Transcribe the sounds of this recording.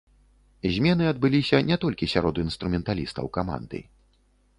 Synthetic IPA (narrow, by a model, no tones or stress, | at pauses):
zʲmʲɛnɨɐd̪bɨlʲisʲɐnʲɛt̪ɔlʲkʲisʲaɾɔd̪uinst̪ɾumʲɛnt̪alʲist̪ɐ̰wkama̰nd̪ɨ̰